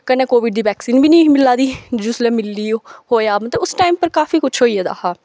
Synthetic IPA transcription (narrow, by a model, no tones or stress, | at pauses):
kəneːkoːʋɪɖ̚d̪iːʋɛːksiːnbʱiːnĩːmɪlːaːd̪iːd͡ʒuːslɛːmɪlːiːhoːeaːbt̪eːʊsʈaːimpəɾkaːfiːkʊt͡ʃʰɦoːiːɛd̪a̰ːhaː